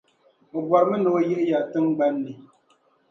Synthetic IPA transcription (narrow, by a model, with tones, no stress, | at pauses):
o˨bwa˨ɾmə˦no˨˦je˦ʔja˨tɨ˦ŋɡ͡ba˦nː˦i˨